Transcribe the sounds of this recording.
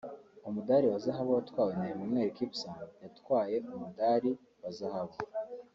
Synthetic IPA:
umudaɾiwazaɦaβowatwaːwenamimŋe̞ːɾikipsajatwaːje̞ʔumudaːɾi | wazahaβo

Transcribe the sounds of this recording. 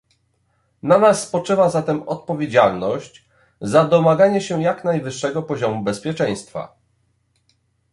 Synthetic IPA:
nanasːpɔt͡ʂɘvazat̪ɛmɔt̪̚pɔvʲjed͡ʑalnɔɕt͡ɕ | zad̪ɔmaɡaɲɛɕɛjaknajvɘʂːɛɡɔpɔʑɔmubɛspʲjɛt͡ʂɛ̃j̃st̪fa̰

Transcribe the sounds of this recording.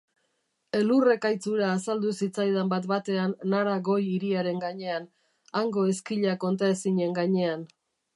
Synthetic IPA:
e̞lure̞kajt͡suɾaːsald̪usit͡sajð̞ambat̪bat̪e̞anːaɾaɣo̞jiɾiaɾe̞ŋɡaɲe̞an | aŋɡo̞e̞skiʎako̞nt̪ae̞siɲe̞ŋɡaɲe̞an

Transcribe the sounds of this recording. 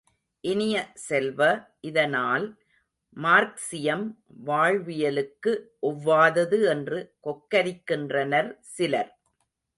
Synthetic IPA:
ʔɪnɪjɐsɛlʋɐʔɪðɐnaːl | maːɾksɪjɐmʋaːɻʋɪjɐlɯkːɯʔɔʋːaːðɐðɯɛndrɯkɔkːɐɾɪkːɪndrɐnɐɾsɪlɐɾ

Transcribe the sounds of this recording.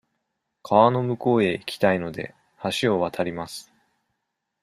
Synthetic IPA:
kʰaβano̞mɯ̟ko̞ːe̞ikʲi̥t̪aino̞d̪e̞̰ | haɕio̞βat̪ʰaɾʲimasɨ̥

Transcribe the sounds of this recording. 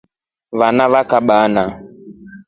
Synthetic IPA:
vanavakaɓana

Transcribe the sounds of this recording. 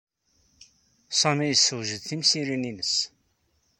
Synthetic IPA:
sˤɑmijəsːəwʒəðθimsiɾininəs

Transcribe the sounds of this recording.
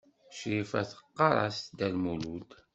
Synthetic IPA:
ʃɾifæ̰θə̥qːɑɾˤɑ̰sd̪ælmulud̪

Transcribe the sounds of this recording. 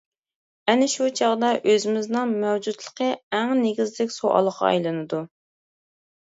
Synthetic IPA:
ɛnɪʃut͡ʃʰɑʁd̪ɑʔøzɪmɪznɨŋmɛwd͡ʒut̪lˠə̥qʰəæŋneɡʲizd̪ɪkʲsoʔɑ̰lˠəqɑ̰ɑ̰jlˠɨnɨd̪u

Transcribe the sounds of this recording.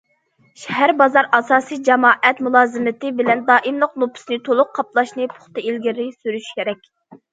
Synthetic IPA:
ʃɛɦæɾbɑzɑɾɑsɑːsijd͡ʒɛmɑːʔɛt̪mulˠɑːzɨmɪt̪ɪbɪlɛnd̪ɑːʔimlˠəqlˠupʰʊ̥snɨt̪ʰolˠʊqqʰːɑplˠɑʃnɨpʰʊ̥χt̪ɨilɡʲɪɾɪsyɾyʃkʲʰeɾɛkʲ

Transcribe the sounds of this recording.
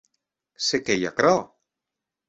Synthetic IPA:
sekeja̰kɾa

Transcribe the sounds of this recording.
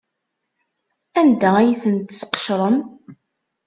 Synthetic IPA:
ænd̪ææjθənt̪sqə̥ʃɾˤəm

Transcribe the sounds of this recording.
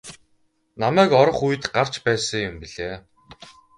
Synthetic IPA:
namæːkɔɾɞ̆χuj̆t̪ɢar̥t͡ɕpæːsə̆ŋjʊmpiɮeː

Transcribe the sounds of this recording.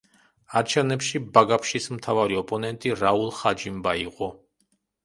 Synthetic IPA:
aɾt͡ʃʰɛnɛpʃibaɡapʰʃismt̪ʰavaɾiɔpʼɔnɛnt̪ʼiɾaulˠχad͡ʒimbaiqʼɔ

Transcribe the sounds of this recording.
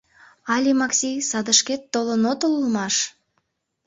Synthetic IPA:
ɑlʲimɑksʲijsɑd̪əʃket̪ːolənot̪olulmɑʃ

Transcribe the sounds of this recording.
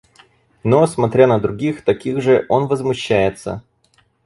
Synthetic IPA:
no̞smɐt̪ɾʲanəd̪ɾʊɡʲixt̪ɐkʲiɣʐɨʔo̞nvəzmʊɕːæjɪt̪sə̰

